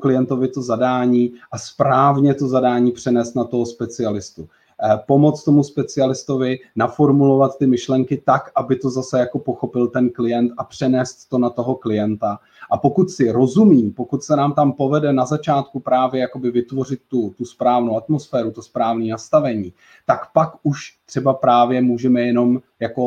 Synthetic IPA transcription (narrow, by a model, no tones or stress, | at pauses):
klɪjɛnt̪o̞vɪt̪ozadaːɲiːʔaspɾaːvɲɛt̪o̞zadaːɲiːpr̝̥ɛnɛːst̪nat̪o̞ɦospɛt͡sɪalɪst̪u | po̞mo̞t͡st̪o̞muspɛt͡sɪalɪst̪o̞vɪnafo̞ɾmulo̞vat̪ːɪmɪʃlɛŋkɪt̪akʔabɪt̪o̞zasɛjako̞po̞xo̞pɪlt̪ɛnklɪjɛnt̪ʔapr̝̥ɛnɛːst̪ːo̞nat̪o̞ɦo̞klɪjɛnt̪a | ʔapo̞kut̪sɪɾo̞zumiːmpo̞kut̪sɛnaːmt̪ampo̞vɛdɛnazat͡ʃaːt̪kupɾaːvjɛjako̞bɪvɪt̪vo̞r̝ɪt̪̚ːut̪uspɾaːvno̞wat̪mo̞sfɛːɾut̪ospɾaːvniːnast̪avɛɲiː | t̪akpakʔuʃt̪r̝̥ɛbapɾaːvjɛmuːʒɛmɛjɛno̞m | jako̞